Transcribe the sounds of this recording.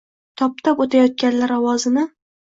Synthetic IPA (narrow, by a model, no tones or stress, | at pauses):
t̪ʰɒp̚t̪ʰɒpot̪ʰajɒt̪̚kʲanlaɾɒwɒzɪnɪ